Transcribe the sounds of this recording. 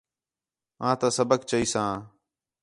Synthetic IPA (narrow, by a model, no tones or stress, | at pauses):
ãːt̪ãːsəbəkt͡ʃəiːsãː